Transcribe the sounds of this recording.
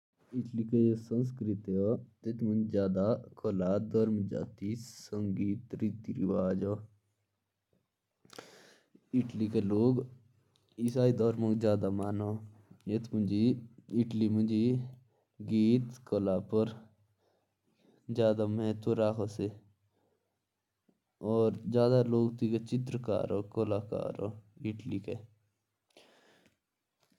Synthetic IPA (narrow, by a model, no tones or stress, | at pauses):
iʈlikeesəns̬kɾit̪ɔt̪et̪ʰmund͡ʒd͡ʒjaːd̪akɔlaːd̪əɾmd͡ʒa̰ːt̪isəŋɡiːt̪ɾit̪iɾiʋaːd͡ʒɔː | iʈlikeloːɡ | isaːid̪ɔːɾmõŋɡzjaːd̪amaːnojet̪ʰmund͡ʒiɪʈlimʊd͡ʒi | ɡiːt̪kolaːpəɾ | d͡ʒjaːd̪amɦẽt̪oɾaːkʰose | ɔːɾd͡ʒjaːd̪aloːɡt̪iket͡ʃɪt̪̬ɾəka̰ːɾoːkolaːka̰ːɾo̰ɪʈlike